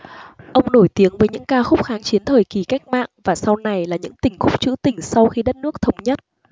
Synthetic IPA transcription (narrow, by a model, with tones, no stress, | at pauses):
ʔə˧wŋ͡mno˧˩jt̪i˨˦əŋvəː˨˦jɲɨ̰˧˥ŋkaː˧xʊ˦˥k͡p̚xaː˨˦ŋt͡ɕi˨˦ənt̪ʰəː˨˩jki˨˧˩ka˦˥jk̟̚ma̰ː˧˨ŋvaː˨˩sa˧wna˨˩jlaː˨˩ɲɨ̰˧˥ŋt̪ï˨˩ŋ̟xʊ˦˥k͡p̚t͡ɕɨ̰˧˥t̪ï˧˩ŋ̟sa˧wxi˧ɗt̚nɨ˦˥ək̚t̪ʰə˧wŋ͡mɲə˦˥t̚